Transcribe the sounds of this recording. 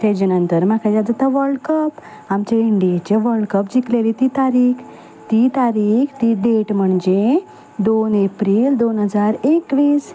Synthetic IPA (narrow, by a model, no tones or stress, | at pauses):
t̪ed͡ʑenənt̪əɾmakʰajad͡z̪ət̪aʋəɾɖkəp | amt͡ɕeiɳɖijet͡ɕeʋəɾɽkəpd͡ʑiklelit̪it̪aɾiːkʰ | t̪it̪aɾiːkʰt̪id̪eʈm̤əɳd͡ʑe | d̪onepɾiːld̪onɦəd͡zaɾekʋiːs